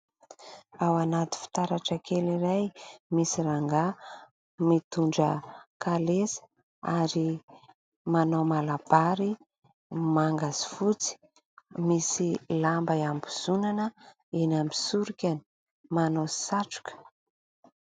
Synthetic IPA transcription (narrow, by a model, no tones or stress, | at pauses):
awanat̪i̥fi̥t̪aɾaʈ͡ʂəkʰeliɾajmisiɾaŋɡa | mit̪uɳɖ͡ʐəkalesə̥ | aɾi | manomalab̥aɾi | maŋɡazi̥fut͡si̥ | misilambajambiz̥unanə | enambisuɾikʲani̥ | manosaʈ͡ʂu̥kə̥